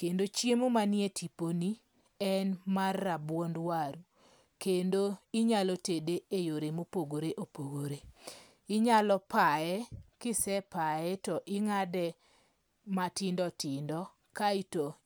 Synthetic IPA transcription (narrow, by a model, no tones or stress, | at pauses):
kendot͡ʃjemomanjetʰiponi | ɛnmarːabwɔndwaɾu | kendoɪɲalɔtedeejoɾemopoɡoɾeʔopoɡoɾe | ɪɲalɔpaɛkɪsɛpaɛtɔʔɪŋadɛ | matɪndɔtɪndɔ | kaito